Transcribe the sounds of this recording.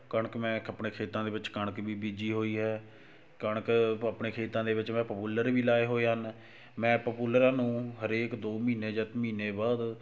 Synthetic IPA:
kəɳəkmɛ̃ːəpɳeːkʰeːt̪ãːd̪eːʋɪt͡ʃkəɳkbiːbiːd͡ʒiːɦoːiːɦɛː | kəɳəkəpɳeːkʰeːt̪ãːd̪eːʋɪt͡ʃmɛ̃ːpəpuːləɾʋiːlaːeːɦoːeːɦən | mɛ̃ːpəpuːləɾãːnũːɦəɾeːkd̪oːmiːneːd͡ʒət̪miːneːbaːd̪

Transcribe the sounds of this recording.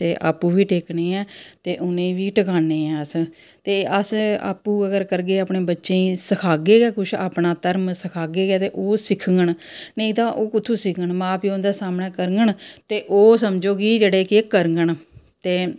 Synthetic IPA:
t̪eːʔa̰ːpːuːʋiːʈʰeːkneːɛ̃ːt̪eːʔʊnẽːʋiːʈəkaːneːɛ̃ːəs | t̪eːəsa̰ːpːuːəɡəɾkəɾɡeːaːpneːbətːʃẽːsəkʰaːɡeːɡɛːkʊt͡ʃʰa̰ːpɳaːt̪əɾmsəkʰaːɡeːɡɛːt̪eːʔoːsɪkʰŋɡəɳneĩt̪ãːʔoːkʊt̪ʰːũːsɪkʰɡəɳmãːpiːõnd̪eːsaːmɳɛːkəɾəŋɡəɳt̪eːʔoːsəmd͡ʒoːkid͡ʒeːɽeːkekəɾəŋɡəɳ | t̪eː

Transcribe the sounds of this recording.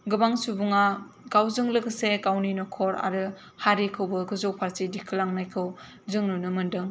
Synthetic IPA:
ɡɯbaŋsubuŋa | ɡawzɯŋlɯɡɯsekawninokʰɔɾa̰ɾɯ | haɾekʰɯwbɯɡɯzowpʰaɾsidikʰɯlaŋnajkʰɯw | zɯŋnunɯmɯndɯŋ

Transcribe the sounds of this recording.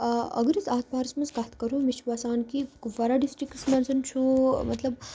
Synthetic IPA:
ɐ̰ɡɾit͡saːt̪̚baːɾɐsmɐnzkat̪ʰkɐɾoːmiʃʋaːsaːnkiʋɐɾaɖisʈɾiksmɐnzɐnt͡ʃʰumɐ̰t̪lɐb

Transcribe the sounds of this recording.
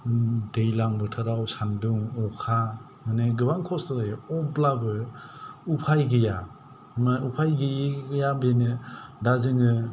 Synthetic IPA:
dejlaŋbɯtʰɯɾawsanduŋɔkʰa | maneɡɯbaŋkʰɔsɔblabɯ | upʰajɡɯja | maupʰajɡɯjɡɯjabenɯdazɯŋɯ

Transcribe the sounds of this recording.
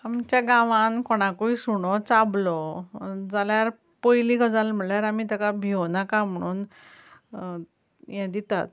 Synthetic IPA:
amt͡ɕjaɡãʋãnkɔɽ̃ãkuisuɳɔt͡sablɔd͡zaljaɾ | pojliɡəd͡zalm̤əɭjaɾam̤it̪əkabʱewnakam̤əɽ̃uːn | jãd̪it̪at̪̚

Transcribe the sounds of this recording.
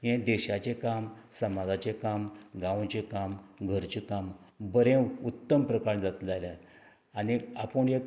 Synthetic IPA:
ɦẽd̪eɕat͡ɕekamsəmad͡zat͡ɕekamɡãwt͡ɕekamɡʱəɾt͡ɕekam | bəɾẽut̪ːəmpɾəkaɳd͡zat̪d͡zalja | aniapəɳek

